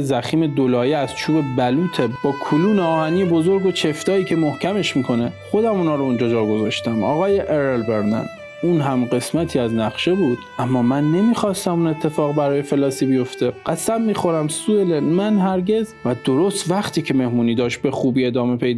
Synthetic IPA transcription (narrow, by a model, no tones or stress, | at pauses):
zæxiːme̞d̪olɒːjeæz̥t͡ʃʰuːbe̞bæluːt̪ʰeb̥ɒːkʰoluːneɒːhæniːebo̞zoɾɡo̞t͡ʃʰe̞ft̪ɒːiːcʰe̞mohcʰæme̞ʃmiːkʰo̞ne̞χo̞d̪æmunhɒːɾound͡ʒɒːd͡ʒɒːɾɡo̞zɒːʃt̪æmɒ̰ːɣɒːjeʔeɾelbeɾnæ̰n | unɦæmɢe̞smæt̪ʰiːæznæχʃe̞buːd̪̥ʔæmːɒːmænːe̞miːxɒːst̪æmune̞t̪ʰːe̞fɒːɣbæɾɒːjefe̞lɒːsiːbijo̞ft̪e̞ɢ̥æsæmːiːxo̞ɾæmsuelenmænɦæɾɟe̞zvæd̪oɾost̪væχt̪ʰiːcʰe̞me̞hmuːniːd̪ɒːʃt̪̚be̞xuːbiːe̞d̪ɒːme̞pʰe̞jd̪